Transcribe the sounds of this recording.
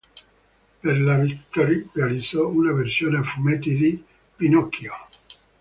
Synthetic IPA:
perlavit̪ːɔɾrealid̪zɔunaversjoːnefumet̪id̪i | pinɔkʰːjo

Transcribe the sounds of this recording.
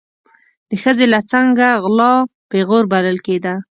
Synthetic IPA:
d̪̥əxəzelat͡saŋɡaɣlɑpeɣoɾbaləlked̪a

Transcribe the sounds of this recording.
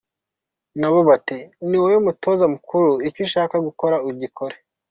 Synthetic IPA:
naβo̞βatiniwojomuto̞ːzamukuɾuiciʃaːkaɡuko̞ɾauɾɟikʰoɾe̥

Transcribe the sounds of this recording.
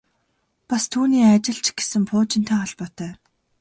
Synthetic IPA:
past̪ʰuːniːat͡ɕɪ̆ɮt͡ɕɡ̥e̥sɘ̆mpʰʊːt͡ɕɪ̆n̥t̪ʰaːɔɮpɔːt̪ʰœː

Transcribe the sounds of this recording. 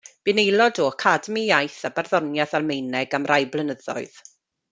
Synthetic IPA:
b̥ɪnejlˠɔdɔkʰadmijajθabarðɔnjaθalmejnɛɡamrʔajblˠənəðɔ̰ɨð̥

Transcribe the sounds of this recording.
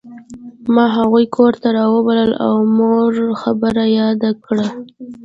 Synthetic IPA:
mɑɦaɣujkʰoɾt̪aɾɑwəbaləla̰wmoɾxabəɾajɑd̪akɽa

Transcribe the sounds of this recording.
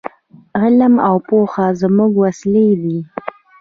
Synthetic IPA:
ɣɪlamawpoxazmuɡwasled̪i

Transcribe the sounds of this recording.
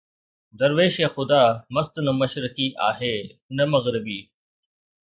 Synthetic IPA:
d̪ɐɾʋeːʃeːxʊd̪aːmɐst̪nɐmɐʃɾɪkiʔa̰ːɦeːnɐmɐɣɾɪbiː

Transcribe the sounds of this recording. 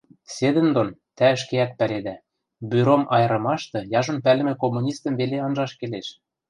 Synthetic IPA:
sed̪ə̆nd̪ont̪æə̆ʃkeæk̪̚pæled̪æ | byɾomʔɑjɤ̆ɾɤ̆mɑʃt̪ɤ̆jɑʒŏnpælɘ̆mɘ̆komːunʲist̪ɤ̆mβeleɤnʒɑʃkeleʃ

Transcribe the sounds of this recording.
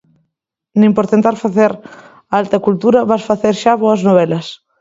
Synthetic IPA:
nimpoɾt̪ẽnt̪aɾfaθeɾ | alt̪ɐkult̪uɾaβasfaθeɾʃaβoɐznoβ̞ɛlɐs

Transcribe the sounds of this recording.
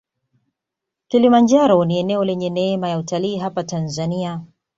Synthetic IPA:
kilimaɲd͡ʒaɾɔniɛnɛɔlɛɲɛnɛɛmajautaliːɦapatanzania

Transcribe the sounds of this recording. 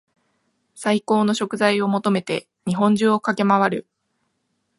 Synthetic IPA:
saiko̞ːno̞ɕo̞kɯ̟zaio̞mo̞t̪o̞me̞t̪e̞ | ɲ̟iɦõ̞ɲ̟d͡ʑɨːo̞kake̞maβ̞aɾɯ̟̰

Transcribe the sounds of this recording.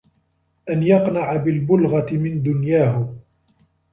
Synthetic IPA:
ʔanjɑqnaʕabɪlbʊlɣɑt̪ɪmɪnd̪ʊnjaːɦʊ

